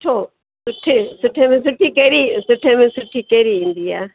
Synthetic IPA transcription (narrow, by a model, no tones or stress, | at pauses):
ʈʰoː | sʊʈʰːeːsʊʈʰːẽːmẽːs̬ʊʈʰːiːkeːɾiːsʊʈʰːẽmẽːsʊʈʰːiːkeːɾiːĩːnd̪iːaː